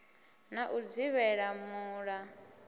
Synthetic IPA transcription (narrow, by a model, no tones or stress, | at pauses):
naʔud͡ziβɛɺamuːɺa